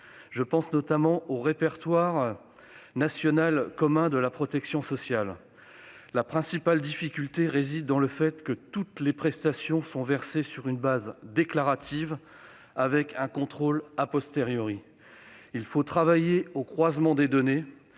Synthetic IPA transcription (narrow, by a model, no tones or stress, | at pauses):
ʒəpɑ̃snɔt̪amɑ̃oʁepɛʁt̪waʁ | nasjɔnalkɔmɛ̃d̪əlapχɔt̪ɛksjɔ̃sɔsjal | lapχɛ̃sipald̪ifikʲylt̪eʁezid̪ːɑ̃ləfɛt̪kət̪ut̪lepχɛst̪asjɔ̃sɔ̃vɛʁsesyʁynbazd̪eklaʁat̪ʰiv | avɛkɛ̃kɔ̃t̪χolapɔst̪eʁjɔʁi | ilfot̪χavajeokχwazmɑ̃d̪ed̪ɔne